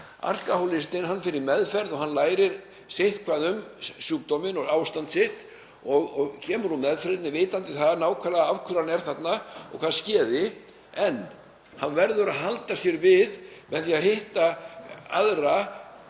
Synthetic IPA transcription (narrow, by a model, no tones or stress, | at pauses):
a̰r̥kahowlɪst̪ɪnɦanːfɪɾɪɾmɛðfɛɾðɔɣɦanlaːjɾɪɾ | seht̪kʰvaːðʏmsjuːk̚t̪ɔmɪnɔaːwst̪ant̪sɪht̪ | ɔɣɔɣcʰɛːmʏɾunmɛðfɾɪt̪nɪveːjt̪ant̪ɪθaðnaːwkʰaːðaavkʰʏɾanɛɾ̥θat̪naɔ̰kʰvaðscɛːðɪ | ɛnː | hanːvɛɾðʏɾaðɦalt̪asjɛɾvɪðmɛðθiaðɦeht̪aa̰ðra